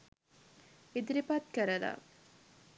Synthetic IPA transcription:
id̪iɾipat̪̚kəɾəla̰

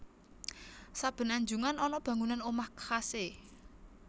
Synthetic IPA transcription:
sab̥ə̤naɲd͡ʒuŋanɔnɔb̥a̤ŋunanomahkːase

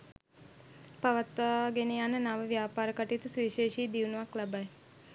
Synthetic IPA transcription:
paʋat̪ʋaːɡeneanənaʋəʋjaːpaːɾəkaʈit̪usʋiːʃeːʃiːd̪iunuʋaklabaj

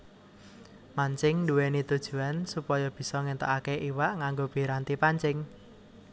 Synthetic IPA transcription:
maɲt͡ʃɪŋnduwenit̪ud̥ʒ̥ṳansupɔjɔb̥i̤sɔŋent̪ə̰ʔakeʔiwaʔŋaŋɡob̥i̤ɾant̪ipaɲt͡ʃɪŋ

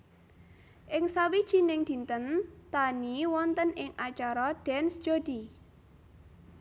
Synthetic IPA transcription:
ʔɪŋsawid̥ʒ̥i̤nɪŋd̪̥i̤nt̪ənt̪aniwɔnt̪ənɪŋat͡ʃaɾɔɖ̥ɛnsd͡ʒ̥od̪̥i

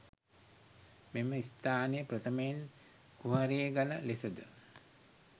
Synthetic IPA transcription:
meməist̪aːnəjəpɾət̪ʰəmeen | kuɦaɾijeɡaləlesəd̪ə

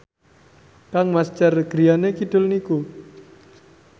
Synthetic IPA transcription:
kaŋmast͡ʃarɡ̥ɾianekid̪̥ʊ̤lniku

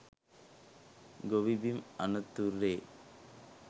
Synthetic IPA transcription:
ɡoʋibimɐnɐt̪ːuɾːeː

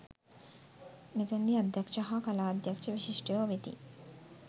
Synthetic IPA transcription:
net̪ɐnd̪iad̪ʱjakʃɐɦakɐlaːd̪jɐkʃɐʋiʃiʃʈejoʋet̪ḭ

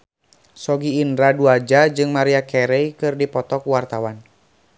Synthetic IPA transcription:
sɔɡiːndɾaduad͡ʒad͡ʒɨŋmaɾiakɛɾɛjkɨrdipɔt̪ɔkuwart̪awan

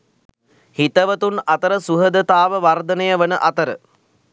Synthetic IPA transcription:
hit̪əʋət̪unat̪əɾəsuɦəd̪ət̪aːʋəʋard̪ənəjəʋənəʔat̪əɾə

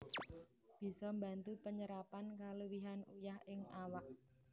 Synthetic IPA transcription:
b̥i̤sɔmba̤nt̪upəɲəɾapankaləwiɦanujahɪŋawaʔ̚

